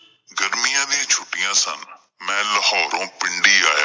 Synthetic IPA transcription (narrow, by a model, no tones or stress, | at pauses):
ɡəɾmijãːd̪ɪijãːt͡ʃʰʊʈːɪjãːsə̰n | mɛ̃ːləhɔːɾõːpɪɳɖiːaːja